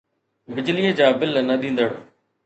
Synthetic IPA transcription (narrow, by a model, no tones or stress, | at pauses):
bɪd͡ʑliəd͡ʑaːbɪlnɐɗ̪ĩːnd̪əɽ